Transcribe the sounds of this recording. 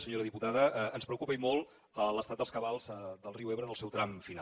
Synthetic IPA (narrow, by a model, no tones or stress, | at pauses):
səɲoɾəðiput̪aðəənspɾəukupəimolˠ | ələst̪at̪d̪əlˠskəβalˠzəd̪əlˠriweβɾənəlˠsɛwt̪ɾamfina